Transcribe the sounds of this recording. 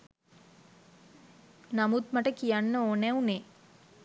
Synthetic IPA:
namut̪maʈəkijanːəoːnɛune

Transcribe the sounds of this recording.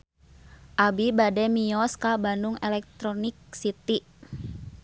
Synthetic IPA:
ʔabibadɛmiɔskabanduŋɛlɛk̚t̪ɾɔnik̚sit̪i

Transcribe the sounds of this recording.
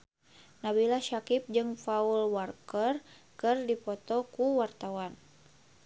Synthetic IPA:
nabilahʃakip̚d͡ʒɨŋfaulwarkər | kɨrdipɔt̪ɔkuwart̪awan

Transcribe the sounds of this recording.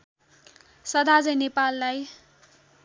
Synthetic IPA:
sʌd̪ʱad͡zʌjnepalːaj

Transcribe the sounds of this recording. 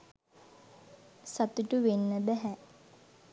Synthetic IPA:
sat̪uʈuʋenːəbɛɦɛ

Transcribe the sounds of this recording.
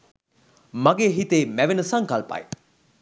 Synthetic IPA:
maɡeːɦit̪eːmæʋenəsaŋkɐlpɐ̰j

